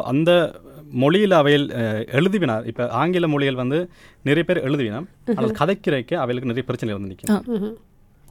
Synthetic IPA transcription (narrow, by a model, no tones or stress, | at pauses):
ʔɐ̰nd̪ɐmɔɭɪjɪlɐʋɐjɪlɛɻɯðɯʋɪnaːɾɪpːɐʔaːŋɡɪlɐmɔɭɪɣɐɭʋɐnd̪ɯ | nɪɾɐjɐpeːɾɛɻɯðɯʋɪnɐm | aːnaːðkʰɐðɐɪkːɪɾɐɪkːɐɐʋɐjɐɭɯkːnɪɾɐjɐpɪɾɯt͡ʃːɐnɐɪlɪɾɐnd̪ɯnɪkːɪnɐ